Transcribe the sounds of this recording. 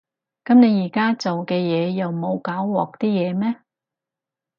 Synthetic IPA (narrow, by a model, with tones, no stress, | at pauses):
kɐ˨˥mne˨˧jiː˨˩kaː˥t͡so˨wkɛː˧jɛː˨˧jɐ˨wmo˨˧wkaː˨˥wwɔː˨k̚t̪iː˥jɛː˨˧mɛː˥